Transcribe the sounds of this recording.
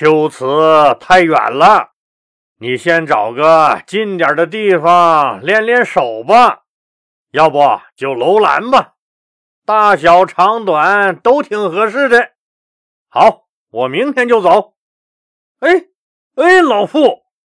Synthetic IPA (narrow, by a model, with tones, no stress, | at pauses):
t̪jo˧˥˩ʊt͡sʰɹ̩˧˥t̪ʰa˥˩ɪɥwa̰˨˩nlə˦ | ni˨˩ɕjɛ˥˩nʈ͡ʂɑ˨˩ʊɡə˧t͡ɕi˥˩nt̪jə˞˨˩d̪ə˦t̪̬i˥˩fɑ˩ŋljɛ˥˧nljɛ˥˧nʂo˨˩ʊbə˦ | jɑ˥˧ʊpɔ˥˩t͡ɕjo˥˩ʊlo˧˥ʊla̰˧˥nbɐ˧ | t̪a˥˩ɕjɑ˨˧˩ʊʈ͡ʂʰɑ˧˥ŋt̪wa˨˩˦nt̪o˥ʊt̪ʰi˧˩ŋxɤ˧˥ʂ̬ɻ̩˥˩d̪ə˥˧ | xɑ˧˥ʊ | wɔ˨˩mi˧˥ŋt̪ʰjɛ˥˧nt͡ɕjo˥˩ʊt͡so˧˥ʊ | e˥ɪ | e˥ɪlo˧˩ʊfu˥˩